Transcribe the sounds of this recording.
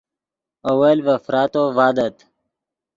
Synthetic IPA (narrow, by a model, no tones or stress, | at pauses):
owelvɐfɾɑːt̪ovaːd̪ɐt̪